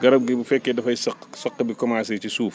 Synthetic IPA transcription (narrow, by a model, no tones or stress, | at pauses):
ɡɐɾɐb̚ɡibufɛkːedɐfɐjsɐqsɐqːbikɔmaːsɛt͡ʃisuːf